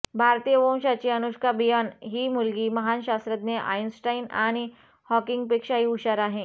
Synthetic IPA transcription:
bʱaɾt̪iːjəbɔ̃w̃ɕat͡ɕiənuɕkabijanɦiːmulɡiːməɦanɕast̪ɾət̪neʔa̰jnsʈainaɽ̃i | hɔkɪŋɡ̚pekʂaɦiuɕaɾaɦẽ

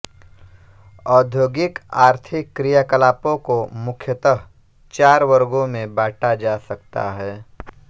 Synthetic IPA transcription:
ɔːd̪ʱjoːɡɪkaːɾt̪ʰɪkːɾijaːkəlaːpõkomʊkʰjət̪əɦ | t͡ʃaːɾwəɾɡõmẽbaːʈʰad͡ʒaːsɐk̚t̪a̰ɦɛː

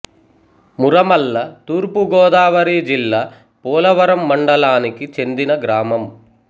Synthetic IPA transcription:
muɾɐmɐlːɐt̪uːɾpuɡɔːd̪aːʋɐɾiːd͡ʒilːaː | pɔːlɐʋɐɾɐmːɐɳɖɐlaːnikit͡ʃe̞nd̪inɐɡɾaːmɐm

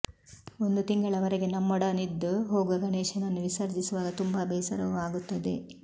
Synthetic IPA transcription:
o̞nd̪ut̪iŋɡɐɭɐʋɐɾeɡe̞nɐmːɔɽɐnid̪ːuɦoːɡuʋɐɡɐneːʃɐnɐnːuʋisɐɾd͡ʒisuʋaːɡɐt̪umbɐbɛːsɐɾɐʋuaːɡut̪ːɐd̪e̞̰

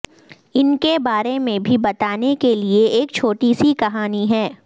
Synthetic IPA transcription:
ɪnkebaːɾemẽbʱibɐt̪aːnekelieeːk̚t͡ʃʰoːʈisikɐɦaːniɦɛː

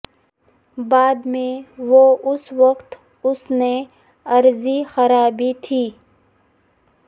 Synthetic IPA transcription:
baːd̪mẽʋoːʔʊsʋəqt̪ | ʊsne | ɐɾzixɐɾaːbit̪ʰiː

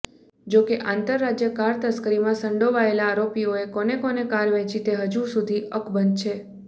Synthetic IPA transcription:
d͡ʒokeʔãnt̪əɾːad͡ʒjəkaɾt̪əskəɾimãsəɳɖoʋaelaːɾopijoekonekonekaɾʋɛ̃t͡ʃit̪eɦəd͡ʒũsud̪ʱiʔəkbənd̪̚t͡ʃʰe

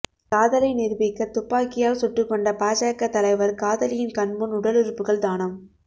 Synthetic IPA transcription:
kaːðɐlɐɪnɪɾbɪkːɐt̪ːʊpːaːkːɪjaːlsʊʈrɯkːɔɳɖɐpaːd͡ʒaːɐkːɐt̪ːɐlɐɪʋɐɾkaːðɐlɪjɪnkɐɳbɯnʊɽɐlɪɾɯpːɯɣɐɭt̪aːnɐm

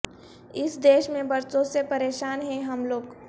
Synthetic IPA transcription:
ɪsd̪eːʃmẽbɐɾsõsepɐɾeːʃaːnɦɛ̃ɦɐmloːɡ

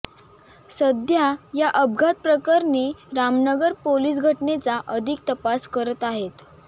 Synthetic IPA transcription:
səd̪jajaʔəb̚ɡʱat̪̚pɾəkəɾneɾamnəɡəɾpoliːs̬ɡʱəʈnet͡saʔəd̪ʱik̚t̪əpaskəɾət̪aɦet̪

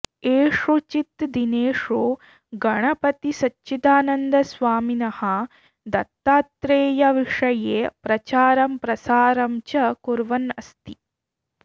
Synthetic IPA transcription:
eːʂut͡ʃit̪d̪ineːʂoː | ɡɐɳɐpɐt̪isɐtːt͡ʃːit̪aːnɐnd̪ɐsʋaːminɐhɐ | d̪ɐt̪ːaːt̪ɾeːjɐʋiʂɐjeːpɾɐt͡ʃaːɾɐmpɾɐsaːɾɐmt͡ʃɐkuɾʋɐnɐst̪i

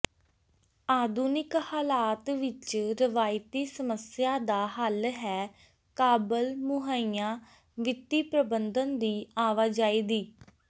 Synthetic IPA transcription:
aːd̪uːnɪkhaːlaːt̪ʋɪt͡ʃɾɪʋaːjt̪iːsəməsɪjaːd̪aːɦəlɦɛː | kaːbəlmʊɦaːiːãː | ʋɪt̪ːiːpɾəbənd̪ənd̪iːaːʋaːd͡ʒaːiːd̪iː

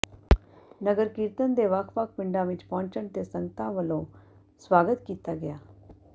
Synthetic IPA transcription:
nəɡəɾkɪɾt̪ənd̪eːʋəkʰʋək̚ʰpɪɳɖãːʋɪt͡ʃpɔ̃ːɲt͡ʃəɳt̪eːsəŋɡət̪ãːʋəlõː | swaːɡət̪kiːt̪aːɡɪjaː

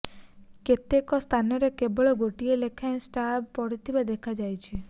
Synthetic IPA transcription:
ket̪ekɔst̪ʰanɔɾekebɔɭɔɡoʈielekʰaẽsʈab̚pɔɽit̪ʰibad̪ekʰad͡ʒajt͡ʃʰi

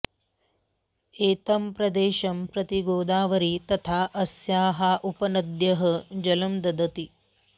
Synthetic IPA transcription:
eːt̪ɐmpɾɐd̪eːʃɐmpɾɐt̪iɡoːd̪aːʋɐɾit̪ɐt̪ʰaːʔɐsjaːɦaːʔupɐnɐd̪jɐɦɐd͡ʒɐlɐmd̪ɐd̪ɐt̪i

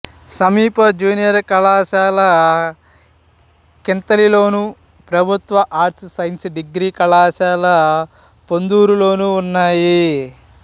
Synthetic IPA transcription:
sɐmiːpɐd͡ʒuːnijɐɾkɐlaːʃaːlɐ | kint̪ɐlilo̞ːnu | pɾɐbʱut̪ʋɐʔaːɾsɐjnsɖiɡɾiːkɐlaːʃaːlɐ | pond̪uːɾulo̞ːnuːnːaːji

